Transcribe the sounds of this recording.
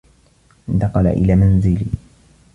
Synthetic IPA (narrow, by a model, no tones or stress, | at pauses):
ʔɪnt̪ɑqɑla̰ʔɪ̰laːmanzɪli